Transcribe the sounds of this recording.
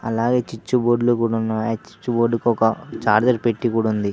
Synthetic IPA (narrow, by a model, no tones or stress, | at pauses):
ɐ̰laːɡe̞ːt͡ʃit͡ʃːuboːɖlukuːɽunːaːjat͡ʃi̥t͡ʃːuboːɖːukɔkɐt͡ʃaːɾd͡ʒɐɾpeʈːikuːɽɐund̪i